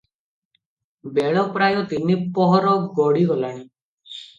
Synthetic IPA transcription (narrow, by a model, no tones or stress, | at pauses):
beɭɔpɾajɔt̪inipɔɦɔɾɔɡɔɽiɡɔlaɽ̃i